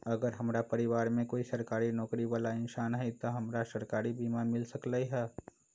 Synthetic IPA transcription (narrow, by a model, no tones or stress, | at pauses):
ɐɡəɾɦɐmɾapɐɾɪʋaːɾmẽkoːisɐɾkaːɾinɔːkɾiʋaːlaɪnʃaːnɦɛit̪oɦɐmɾasɐɾkaːɾibʱiːmamɪlsəklaiɦɛː